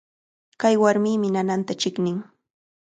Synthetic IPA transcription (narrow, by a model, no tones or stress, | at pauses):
kajwaɾmiːmɪnanant̪at͡ʃɪknɪŋ